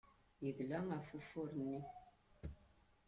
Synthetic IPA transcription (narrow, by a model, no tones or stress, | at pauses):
niɡlaŋafufoɾni